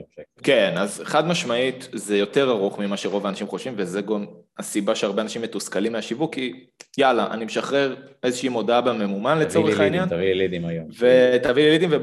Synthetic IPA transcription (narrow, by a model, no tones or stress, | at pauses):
ke̞nazeχad̪maʃmaitzejo̞t̪e̞ʁaʁuχmimaʃeʁo̞vaːnaʃimχoʃvimvezeɡamasibaʃeaʁbeanaʃimːet̪uskalimeaʃivukːi | jalaʔa̰nimeʃaχʁe̞ʁezeʃiimo̞d̪aabeme̞mumanlet͡soʁeχainjantavielid̪imajomvet̪avielid̪imve